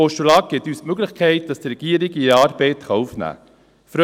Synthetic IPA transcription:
ɔʃulɑːk̚ɡ̥ɪt̪ysmøɡləχkʰɛɪt̚d̥ɑst̪ɾɛɡ̥iəɾiɡiɑːɾbɛɪt̪χɑufnæ̰ː | fɾœ

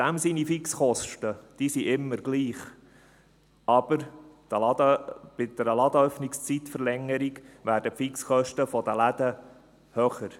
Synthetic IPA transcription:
d̥æmsinifiksχɔʃtəd̥isiʔɪmːəɾɡliːχ | ʔɑb̥əɾd̪̥əɑd̪b̥ɪd̪ɛɾəlɑd̪əœfnɪkst͡sit̪fəɾlɛŋːəɾiɡʋæːɾdəpfiksχœʃtəfɔd̪əlæd̪ə | hœχəɾ

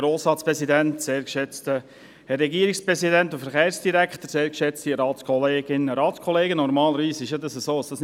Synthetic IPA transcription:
ɾoːsɑːt͡spɾɛsidæntseːɾkʃɛt͡stə | hɛrːɛɡiːəɾikspɾɛsidæntʊfəɾχeːɾsd̥iɾækχt̪əɾseːɾkʃɛt͡stiɾɑːtt͡skʰɔleːɡɪnːəɾɑːt͡skʰɔleːɡənɔɾmɑːləɾviːsɪʃjɑd̪ɑsəsoːəsd̥ɑs

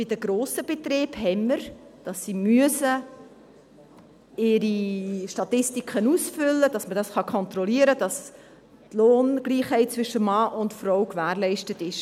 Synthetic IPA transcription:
b̥ɪdəɡ̥ɾoːsəb̥etɾeːbhɛmːəɾd̥ɑsːimyəsə | ɪɾiʃtɑtɪstikχənusfʏlːəd̥ɑsmədɑsχɑkʰɔntrɔliəɾəd̥ɑs | tloːnɡ̥liːχhɛɪt̚t͡svɪʃəmɑːʔʊntfɾɔwkvæːrlɛɪʃtətɪʃ

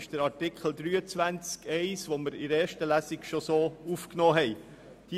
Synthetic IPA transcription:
ʃd̥əɾɑɾtɪkχl̩d̪ɾyːət͡sʋænt͡skɛɪsʋoməɾɪɾɛːʃtəlæsiɡʃosoːufknɔːɦɛɪ | d̥i

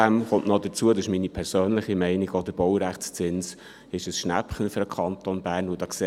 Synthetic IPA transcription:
æmχɔnʔnɔdət͡suədɑʃminipʰɛɾsøːnlɪχimɛɪnɪɡɔd̥̪əb̥ɔwɾæχtt͡st͡sɪns | ɪʃəsʃnæ̰pχən̩fyɾəkʰɑnt̪onbæːɾnʋod̥ɑːkse

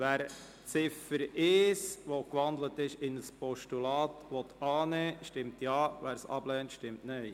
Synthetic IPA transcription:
ʋæːɾ | t͡sɪfəɾɪːsʋokʋɑnd̪lətɪʃɪnəspɔʃtulɑːtʋɔt̪ɑːnɛːʃtɪmtjɑːʋæːɾsɑ̰blɛːntʃtɪmtnœɪ

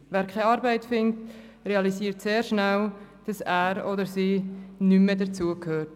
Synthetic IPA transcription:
væːɾkʰaɪɑɾbɛɪtfɪnt | reɑlisiːɾtseːɾʃnæld̥ɑsæːɾɔdəɾsiːnymədət͡suəkʰhøːɾt

